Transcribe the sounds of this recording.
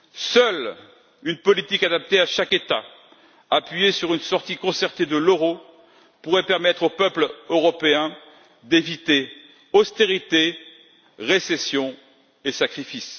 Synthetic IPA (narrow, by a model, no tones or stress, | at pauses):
sœl | ynpɔlit̪ikad̪ap̚t̪eaʃaket̪a | apɥijesyʁynsɔʁt̪ikɔ̃sɛʁt̪ed̪əløʁo | puʁɛpɛʁmɛt̪χopœpløʁɔpeɛ̃ | d̪evit̪e | ɔst̪eʁit̪e | ʁesesjɔ̃ | esakχifis